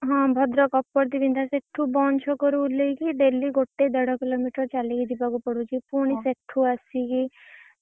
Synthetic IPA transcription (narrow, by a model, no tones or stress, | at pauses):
ɦɔ̃ːbʱɔd̪ɾɔkɔpːɔɾt̪ibʱind̪ʱaseʈʰːubɔnt͡ʃʰɔkɔɾuleikiɖeliɡoʈːed̪ɛɽɔkilomiʈɔɾt͡ʃalikid͡ʒ̪ibakupɔɽut͡ʃʰipuɽ̃iseʈʰːuasiki